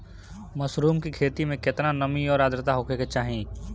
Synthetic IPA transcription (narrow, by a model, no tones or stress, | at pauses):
məsɾuːmkikʰeːt̪imẽket̪nanəmiɔːɾaːd̪ɾɪt̪aɦoːkʰeket͡ʃaːɦĩː